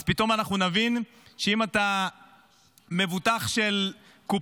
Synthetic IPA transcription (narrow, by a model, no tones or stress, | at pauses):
z̥pito̞manaχnunavin | ʃeimata | me̞vutaχʃel | ku